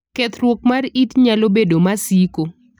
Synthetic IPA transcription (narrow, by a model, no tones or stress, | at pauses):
kɛt̪ɾwokmaritɲalobedomasiko